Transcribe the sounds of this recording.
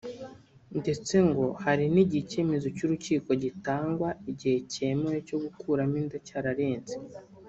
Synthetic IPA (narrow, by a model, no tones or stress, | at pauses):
nde̞t͡se̞ŋɡo̞haɾiniɟice̞me̞zo̞cuɾuciːko̞ɟitaːŋɡwaiɟihe̞cemojoco̞ɡukʰuɾamiːndacaɾaɾeːnzi̥